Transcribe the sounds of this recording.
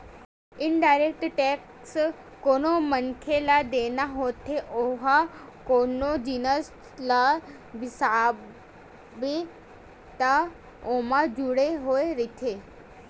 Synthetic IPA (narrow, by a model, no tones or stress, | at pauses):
ɪnɖajɾek̚ʈʈek | s | konomənkʰelad̪enaɦot̪ʰeʔoɦakonod͡ʒinəs | la | bisa | be | t̪a | omad͡ʒuɽeɦoeɾit̪ʰe